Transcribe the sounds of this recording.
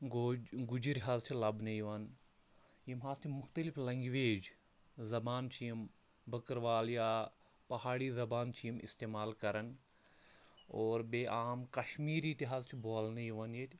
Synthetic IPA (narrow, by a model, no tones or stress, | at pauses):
ɡɡud͡ʒiɾʲɦazt͡ʃʰilɐbnɐjʋɐn | jimɦaːzt̪ʰimʊxt̪əliflɐ̃ŋɡʋeːd͡ʒ | zɐbaːnt͡ʃʰijm | bʱəkəɾʋaːljaː | pɐhaːɽizɐbaːnt͡ʃʰijimḭst̪eːmaːlkɐɾən | oːɾbeːʔaːmkɐʃmiːɾiːt̪iɦazt͡ʃʰiboːlnɐjʋɐnjet̪ʲ